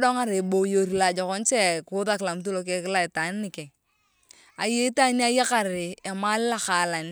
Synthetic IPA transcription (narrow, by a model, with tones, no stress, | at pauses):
dɔ˦ŋa˦ɾe˨bo˨jo˨ɾi˨la˨d͡ʒɔ˨kɔ˦n˦t͡ʃɛ˦kʊ˦ða˦kɪ˨la˨m˦t̬u˦lo˦k̬e˦kɪ˦la˦ɪ˨ta˨˦n˦nɪ˨kɛ˨ | a˨je˦ta˦n˦a˦ja˦ka˨ɾɪ˨ɛ˨ma˦lɪ˦la˦ka˨la˨n